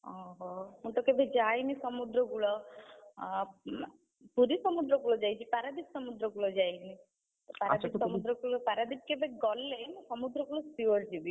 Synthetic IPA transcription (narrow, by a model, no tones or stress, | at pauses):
ɔɦɔmũt̪ɔkebʱed͡ʒajnisɔmud̪ɾɔɡuɭɔ | puɾisɔmud̪ɾɔɡuɭɔd͡ʒajt͡ʃʰipaɾad̪ipsɔmud̪ɾɔɡuɭɔd͡ʒajni | paad̪ipsɔmud̪ɾɔɡuɭɔpaɾad̪ip̚kebeɡɔlːemũsɔmud̪ɾɔɡuɭɔsiɔɾd͡ʒibi